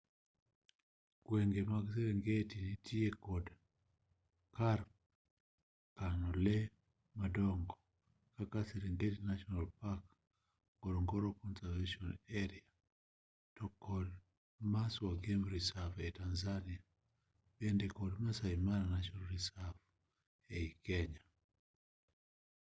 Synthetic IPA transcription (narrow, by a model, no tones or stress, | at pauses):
kweŋɡemakis̬eɾɛŋɡetinitʰiekɔda | kaɾ | kanolɛ | madɔŋɡo | kakaseɾeŋɡetinaʃɔnalpak | ɡɔɾɔŋɡɔɾɔkɔnsaveʃɔnɛɾia | tɔkɔd | maswaɡemɾisavetanzania | bɛndɛkɔdmasaimananaʃɔlɾisavu | eikɛɲa